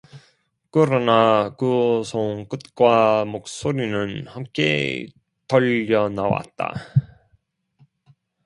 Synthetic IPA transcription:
kɯɾʌnakɯsʰoŋk͈ɯt̚k͈wamok̚s͈oɾinɯnhamk͈ḛ | tʌʎːʌnawa̰t̚t͈a̰

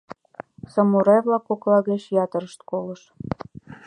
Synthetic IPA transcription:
sɑmuɾɑjβlˠɑkoklɑɣet͡ɕjɑt̪ə̆ɾəʃt̪kolə̆ʃ

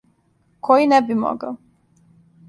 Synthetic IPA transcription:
kʰojinɛbimo̰ɡa̰

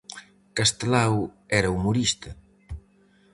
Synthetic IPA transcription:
kast̪elawɛɾɐumuɾist̪ɐ

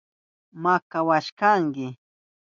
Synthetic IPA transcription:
makawaʃkaŋkɪ

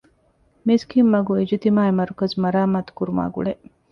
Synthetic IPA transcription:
miskimːɐɡuid͡ʒit̪imaːemɐɾukɐzmɐɾaːmaːt̪u̥kuɾuma̰ːɡṵɭe

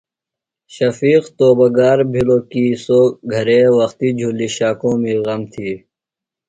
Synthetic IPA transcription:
ɕɐfiːqt̪oːbɐɡaːɾbʱiloːkiːsoːɡʱɐɾeːwɐxt̪iːd͡ʑʱulːiɕaːkõːmĩɣɐmt̪ʰiː

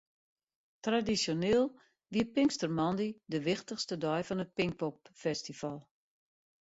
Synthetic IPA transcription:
tradisjoneːlˠ | ʋiəpɪŋstərmɔndidəʋɪxtəχstədɔjfɔnət̚pɪŋk̚pɔpfɛstifalˠ

